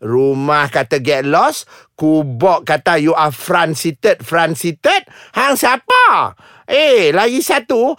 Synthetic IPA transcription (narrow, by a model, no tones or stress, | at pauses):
rumahkat̪aɡɛt̪̚lɔskubɔʔkːat̪ajuʔafɾansit̪ət̪̚fɾansit̪ət̪̚haŋsapa | ʔelaɡisat̪u